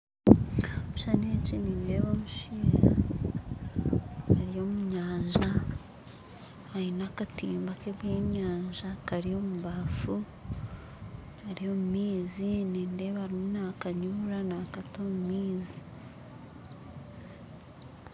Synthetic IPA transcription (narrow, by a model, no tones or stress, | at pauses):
ouʃaneciniːnde̞βomuʃiɾa | haɾijo̞ːmuɲaːɲʒa | ainakatiːmbakeβjeːɲaːɲʒakaɾijo̞ːmuβafu | aɾijo̞ːmumiːziniːnde̞βaɾimunakaɲuːɾanakatomumiːzi